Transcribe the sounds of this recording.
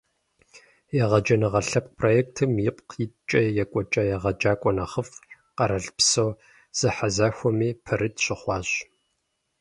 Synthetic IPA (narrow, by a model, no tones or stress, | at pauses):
jɛʁɐd͡ʒɐnɨʁɐɬɐp̚pʰrojeːk̚tʰɨmjɪpʼqjɪt͡ʃʼɐjɛkʷʼɔt͡ʃʼɐjɛʁɐd͡ʒaːkʷʼɔnɐχəf | qɐɾɐɮpsow | z̥ɐħazaxʷɔmiːpʰɐɾɨtʰɕɪχʷɑːɕ